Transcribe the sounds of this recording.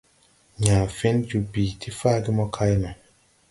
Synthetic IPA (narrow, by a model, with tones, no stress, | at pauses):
ɲaː˨fe˦nd͡ʒu˨biː˨tʰi˦faː˦˨ɡi˦mɔ˦kʰa˦jnɔ˨